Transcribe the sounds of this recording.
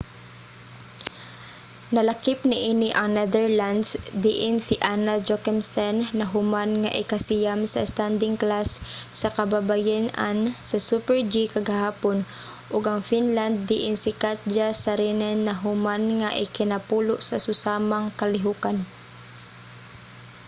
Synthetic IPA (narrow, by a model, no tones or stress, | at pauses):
nɐlakɪpnɪʔinɪʔɐŋnɛd̪ɛɹland̪sd̪ɪʔɪnsɪʔanad͡ʒokɛmsɛnnɐɦʊmanŋaʔɪkasijamsɐst̪and̪ɪŋklasːɐkɐbabajana̰nsɐsupɛɹd͡ʒikɐɡaɦaːpon | ʔʊɡɐŋfinland̪̚ːɪʔɪnsɪkat̪̚d͡ʒasaɾinɛnːɐɦʊmanŋaʔɪkɪnapulʊʔsɐsʊsaːmaŋkɐlɪɦukan